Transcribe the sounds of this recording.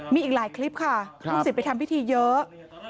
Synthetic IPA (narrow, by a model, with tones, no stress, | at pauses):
miː˧ʔiː˨˩k̚laː˩˦jkʰli˦˥p̚kʰa˥˩kʰːŋsi˨˩pa˧jt̪ʰa˧mpʰi˦˥t̪ʰiː˧jɤ˦˥ʔ